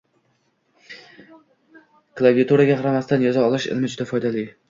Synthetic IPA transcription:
klˠaviat̪ʰuɾaɡʲaqɑɾamast̪anjɒzaɒlˠɪʃɪ̰lmɪd͡ʒʊd̪afɒjd̪alɪ

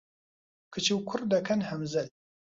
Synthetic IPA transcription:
kʰɨt͡ʃʰiwkʰʊrd̪ɐkʰɐnhɐmzɐl

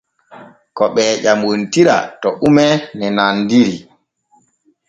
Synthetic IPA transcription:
kɔɓɛːʄamuntiɾa̰tɔʔumɛnɛnandiɾi

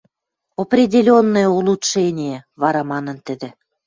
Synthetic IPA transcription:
oprʲidʲelʲonːojulˠut̪ʃenʲijeβɑɾɑmɑnə̆nt̪ə̆d̪ĕ

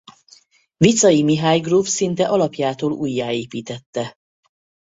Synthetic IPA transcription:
vit̪sɒjimiɦaːjɡrufsint̪ɛʔɒlɒpjaːt̪oːlṵːjːaːeːpiːt̪ɛt̪ːɛ

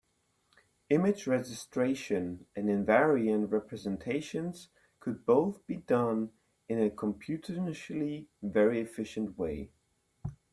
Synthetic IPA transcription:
ɪ̃mɪd͡ʒɹɛd͡ʒɨstɹ̥eɪʃɨ̃nɨ̃nɨ̃ɱvɛɹiɨ̃nʔɹɛpʰɹɨzɨ̃ntʰeɪʃɨ̃nz̥ | kʰɨd̚boʊθb̥idʌ̃n | ɨ̃nɨkʰə̃mpʰj̥ʉɾəʃl̩ivɛɹiɨfɪʃɨ̃nʔweɪ

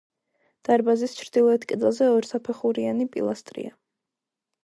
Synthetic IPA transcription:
d̪̥aɾbazist͡ʃʰɾd̪ilˠɔɛt̪ʰkʼɛd̪ɛlˠzɛɔɾsapʰɛχuɾianipʼḭlˠast̪ʼɾḭa

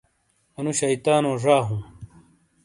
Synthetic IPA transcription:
ɐnuɕɐjt̪aːnoːʐaːɦũm

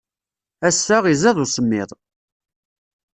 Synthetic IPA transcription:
æsːæʁizæðˤusəmːɪðˤ

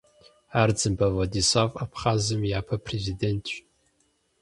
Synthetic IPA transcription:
ard͡zɨmbavadisafapʰχazɨmjaːpʰɐpʰrezidentʰʃ

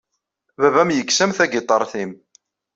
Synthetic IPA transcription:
vævæmjəksæmθæɡɪt̪ˤəɾˤθim

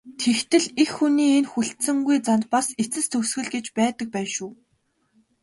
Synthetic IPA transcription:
t̪ʰext̪ɘ̆ɮexːuniːenxuɬt̪sɘ̆ŋɡujt͡sant̪̚paset͡sɘ̆st̪ʰɵsxɘ̆ɮɡet͡ɕpæːt̪ə̆k̚pæːnʃuː

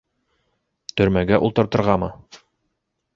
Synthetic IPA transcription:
t̪ɵ̆ɾmæɡæʔṵlˠt̪ɤ̆ɾt̪ɤ̆ɾʁɑmɤ̰

